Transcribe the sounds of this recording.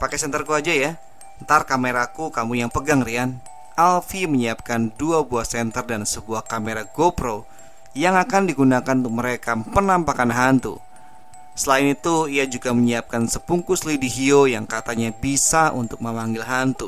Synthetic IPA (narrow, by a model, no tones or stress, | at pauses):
pakɛsɛnt̪ərkuad͡ʒaja | ənt̪arkameɾakukamujaŋpəɡaŋɾian | alfiməɲiap̚kanduabuahsɛnt̪ərdansəbuahkameɾaɡopɾo | jaŋakandiɡunakanunt̪ʊk̚məɾekapənampakanɦant̪ṵ | səlaɪnit̪uiad͡ʒuɡaməɲiap̚kansəpuŋkuslidiɦiojaŋkat̪aɲabisaʔṵnt̪ʊk̚məmaŋɡɪlɦant̪u